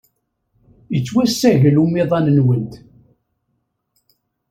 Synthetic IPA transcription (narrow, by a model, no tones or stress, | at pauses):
jət͡sːwæsːæʝəlumiðˤɑnənwənt̪